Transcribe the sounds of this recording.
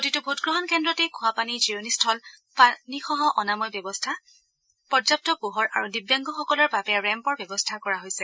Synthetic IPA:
kotitʊbʱotɡɹɔɦɔnkʰɛndɹɔtɛkʰʊ̃apaniziɹonistʰɔl | panixɔɦɔʔɔnamɔjbjɔbɔstʰa | pɔzap̚tɔpuɦɔɹaɹudibjaŋɡɔxɔkɔlɔɹbapɛjaɹɛmpɔɹbjɔbɔstʰakɔɹaɦojsɛ

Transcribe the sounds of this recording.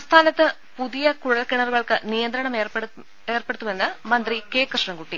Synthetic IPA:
ɐmst̪ʰaːnɐt̪ːɨ | puðijɐkuɻɐlkːiɳɐruɣɐɭkɨnijɐnd̪ɾɐɳɐm | eːrpeɽut̪ːume̞nːɨmɐnd̪rikeːkrɨʂɳɐŋɡuʈːi

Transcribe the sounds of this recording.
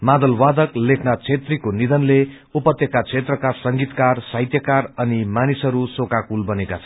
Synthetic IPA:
mad̪ʌlwad̪ʌklekʰnat͡sʰet̪rikonid̪ʌnle | upʌt̪jʌkat͡sʰet̪rʌkasʌŋɡit̪karsajt̪jʌkarʌnimanisʌɾusokakulbʌnekat͡sʰʌn

